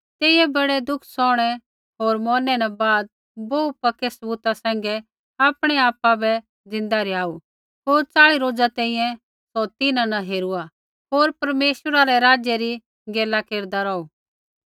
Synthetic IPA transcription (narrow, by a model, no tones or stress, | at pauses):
t̪eːɪjɛbɐɽɛd̪ʊkʰsɔːɽ̃ɛ | ɦoːɾmɔːnɛnabaːd̪̚ | boupɐkɛsɐbuːt̪asɛ̃ːŋ̆ɡɛ | aːpɽ̃ɛaːpabɛ | d͡zɪ̃nd̪aɾiaːu | ɦoːɾt͡saːɭiɾoːd͡zat̪ɛ̃ːĩjɛ̃ | sɔt̪ɪnãnãɦeːɾua | ɦoːɾpɐɾmeːʃəɾaɾɛɾaːd͡ʒjɛɾi | ɡeːlakeːɾd̪aɾɔːu